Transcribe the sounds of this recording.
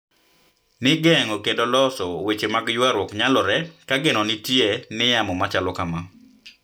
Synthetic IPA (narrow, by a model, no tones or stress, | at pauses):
nɪɡɛŋokedolɔsɔwet͡ʃemaɡjwaɾwɔkɲalɔɾɛkaɡɪnɔnɪtjenɪjamɔmat͡ʃalɔkama